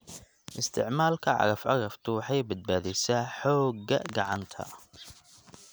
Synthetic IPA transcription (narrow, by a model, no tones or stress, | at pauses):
ʔɪst̪ʰɪʕmaːlkʰɐʕɑ̰ɣɐfʕɑɣɐft̪ʰʊwħɑjbɐd̪̚baːðɛjsaːħɔːɡɐɡɐʕɑnt̪ʰɐ̰